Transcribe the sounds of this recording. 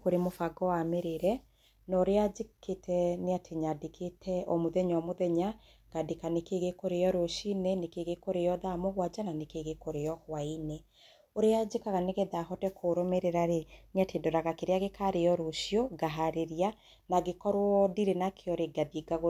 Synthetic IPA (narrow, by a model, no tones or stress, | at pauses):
koɾemofaɡɔwameɾeɾɛ | nɔɾead͡ʒeketʰɛneatʰeɲadekʰetʰɛɔmoðɛɲɔmoðɛɲa | ɡ̥adekanekeɣekoɾejɔɾoʃinenekeɣekoɾejɔðamoɣwad͡ʒananekeɣekoɾejɔkwaine | oɾead͡ʒekaɣaneɣɛðaːɦɔtɛkʰoɾomeɾeɾaɾeneatedɔɾaɣakeɾeaɣekaɾejɔɾoʃioɡaɦaɾeɾia | naɣekɔɾwɔdiɾenakʰeɔɾeɡaðiɡaɣo